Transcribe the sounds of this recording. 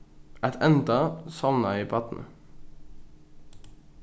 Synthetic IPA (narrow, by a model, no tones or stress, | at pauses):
ʔɛt̪ʰɛnd̪əsɑʋnɑiːpʰɑt̪n̩ə